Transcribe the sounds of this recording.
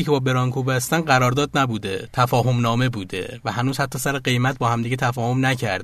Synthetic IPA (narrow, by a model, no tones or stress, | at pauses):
iːcʰe̞bɒːbe̞ɾɒːŋkʰuːbæst̪ænɢæɾɒːɾd̪ɒːd̪næbuːd̪et̪ʰæfɒːɦo̞mnɒːme̞buːd̪e̞̰væhænuːz̥hæt̪ʰːɒːsæɾeɢe̞jmæt̪̚bɒːhæmd̪iːɟet̪ʰæfɒːho̞mnæcʰæɾd̪